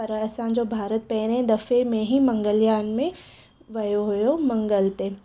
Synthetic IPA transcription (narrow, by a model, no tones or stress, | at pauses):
pɐɾɐsãd͡ʒoːbʱaːɾət̪̚pɛːɾɦɛ̃d̪ɐfemẽɦimɐ̃ŋɡəljaːnmẽ | ʋɐjoɦʊjomɐ̃ŋɡəlt̪e